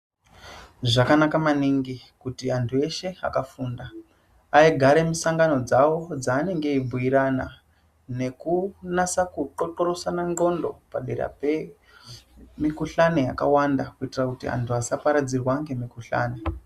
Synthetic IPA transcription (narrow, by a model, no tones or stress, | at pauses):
ʐakanakamaniŋɡi | kutiantʰue̞ʃe̞a̰kafuːndaː | iɡʱaɾe̞misaŋɡano̞d͡zawo̞d͡zaːne̞ŋɡe̞ibʱujiɾana | ne̞kunasakuǃoǃo̞ɾosanaŋɡo̞ndo̞paɗeɾa̰pe | mikuɬaneja̰ka̰wandakuitirakutḭa̰ntʰuasapaɾad͡zirwaŋɡe̞mikuɬa̰ːne